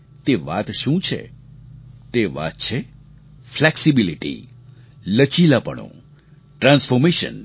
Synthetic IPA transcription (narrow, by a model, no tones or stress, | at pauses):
t̪eʋa̰t̪ʃũt͡ʃʰḛ | t̪eʋa̰t̪̚t͡ʃʰe | flɛksibiliʈḭ | lət͡ʃilapə̰ɳ̃õ̰ | ʈɾãnsfɔɾmeʃə̰n